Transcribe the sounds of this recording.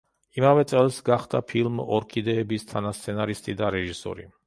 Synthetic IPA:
imavɛt̪sʼɛlˠsɡaχd̪apʰilˠmɔɾkʰid̪ɛːbist̪ʰanast̪sʰɛnaɾist̪ʼid̪aɾɛʒisɔ̰ɾḭ

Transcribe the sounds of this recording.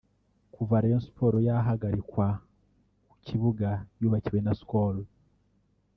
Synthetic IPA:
kuvaɾajonsi̥pʰo̞ɾojaɦaɡaɾikwa | ku̥ciβuɡajuːβaciɾwenaskolo

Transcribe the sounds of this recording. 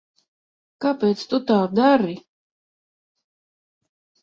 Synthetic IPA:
kapɛːt̪st̪ut̪aːd̪aɾi

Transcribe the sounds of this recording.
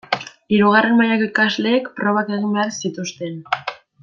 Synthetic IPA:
iɾuɣ̞are̞nmajakikazle̞ːkpɾo̞βake̞ɣ̞imbe̞aɾsit̪ust̪e̞n

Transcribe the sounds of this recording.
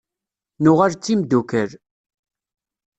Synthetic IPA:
nʊʁaɾt͡sːimd̪ukəɾ

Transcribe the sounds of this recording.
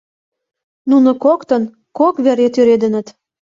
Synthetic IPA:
nunŏkokt̪ə̆n | kokβeɾet̪yɾed̪ə̆nə̆t̪

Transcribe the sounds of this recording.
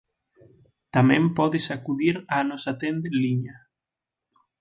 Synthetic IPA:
t̪amẽmpɔðɪsakuðiɾanosat̪end̪eliɲa

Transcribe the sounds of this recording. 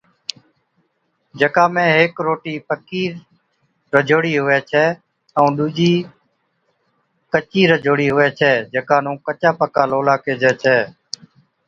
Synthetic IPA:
d͡ʒəkaːmẽːɦeːkɾoːʈiːpəkiː | ɾəd͡ʒʱoːɽiːɦʊʋɛːt͡ʃʰɛː | əũːɗuːd͡ʒiː | kət͡ʃiːɾəd͡ʒʱoːɽiːɦʊʋɛːt͡ʃʰɛːd͡ʒəkaːnũːkət͡ʃaːpəkaːloːlaːkeːd͡ʒɛːt͡ʃʰɛː

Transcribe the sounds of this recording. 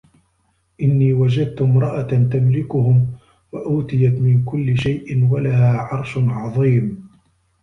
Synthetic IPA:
ʔɪnːiːwad͡ʒad̪̚t̪ʊmɾˤɑʔat̪amlɪkʊhʊm | waʔʊːt̪ɪjat̪mɪnkʊlːɪʃajʔɪnwalahaːʕɑɾˤʃʕɑðˤiːm

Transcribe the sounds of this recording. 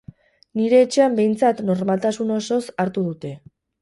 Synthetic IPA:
niɾe̞ːt͡ʃe̞ambe̞jnt͡sat̪no̞ɾmalt̪asuno̞so̞saɾt̪uð̞ut̪e̞

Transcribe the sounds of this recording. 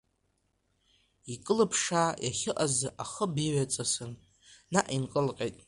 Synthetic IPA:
ikʼɨlɨpʰʂajʔaχʲɪʔazɨʔaχəbiɥat͡sʼasɨn | naʔinqʼəlqʲʼejtʼ

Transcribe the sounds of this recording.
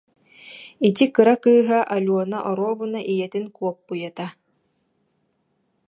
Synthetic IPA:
it̪̬ikɯɾakɯːɦaʔalʲuɔnaʔɔɾuɔbɯnaʔijɛt̪inkuɔpːujat̪a

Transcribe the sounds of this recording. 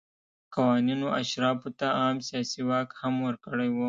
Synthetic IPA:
qawɑːninoʔaʃɾɑpot̪aɑmsijɑsiwɑkhamwəɾkəɽajwo

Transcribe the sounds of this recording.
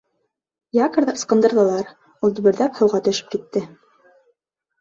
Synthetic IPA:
jɑkə̆ɾðɑ̥̆sqɤ̆nd̪ɤ̆ɾðɤ̆lˠɑɾ | ulˠd̪ɵ̆βɘ̆ɾðæphɤ̆wʁɑt̪ɵ̆ʃɘ̥p̚kit̪ːɘ

